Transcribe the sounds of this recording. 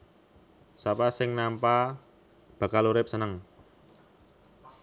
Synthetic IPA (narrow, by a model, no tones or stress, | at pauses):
sapasɪŋnampa | b̥ä̤kaluɾɪp̚sənəŋ